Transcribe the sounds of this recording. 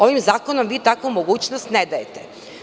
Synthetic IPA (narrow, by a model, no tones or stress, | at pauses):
o̞ʋimzaːkonomʋiːt̪akomoɡuːt͡ɕnost̪ned̪ajet̪e